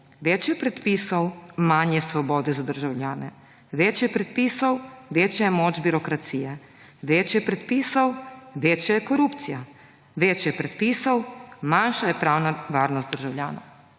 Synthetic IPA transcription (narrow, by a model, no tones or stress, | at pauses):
ʋeːt͡ʃjɛpɾɛt̪piːsɔwmanjɛsʋɔbɔːd̪ɛzad̪əɾʒawljaːnɛ | ʋeːt͡ʃjɛpɾɛt̪̚piːsɔwʋeːt͡ʃjajɛmoːd͡ʒbiɾɔkɾat̪siːjɛ | ʋeːt͡ʃjɛpɾɛt̪piːsɔwʋeːt͡ʃjajɛkɔɾuːpt̪sija | ʋeːt͡ʃjɛpɾɛt̪̚piːsɔwmanʃajɛpɾaːwnaʋaːɾnɔst̪d̪əɾʒawlʲjaːnɔ̰